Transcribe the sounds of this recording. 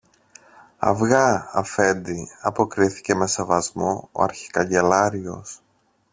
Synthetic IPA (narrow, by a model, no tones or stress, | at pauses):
ɐ̰vɣɐɐfe̞nd̪iɐpo̞kɾiθi̥ce̞me̞sevɐzmoo̰ɐɾçi̥kɐɲɟe̞lɐɾio̞̰s